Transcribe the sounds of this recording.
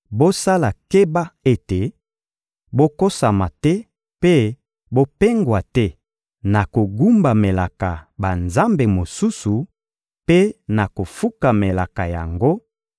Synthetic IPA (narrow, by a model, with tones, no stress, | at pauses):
bo˦sa˦la˨ke˦ba˦e˦te˨ | bo˦ko˦sa˨ma˨tɛ˦ | pe˦ | bo˦pe˦ŋɡwa˨tɛ˦ | na˨ko˨ɡu˦mba˨me˨la˨ka˨ba˨nza˦mbe˨mo˨su˦su˨ | pe˦na˨ko˨fu˦ka˨me˨la˨ka˨ja˨ŋɡo˦